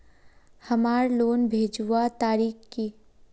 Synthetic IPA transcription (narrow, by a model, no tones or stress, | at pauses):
hɐmaːɾloːnbʱeːd͡ʒuwat̪aːɾiːxkiː